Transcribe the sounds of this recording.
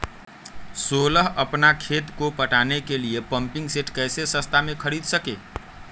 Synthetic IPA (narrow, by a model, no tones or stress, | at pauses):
soləɦəpnakʰet̪kopəʈanekeliepəmpĩŋɡseʈkɛjsesə̃st̪ʰamekʰəɾid̪səke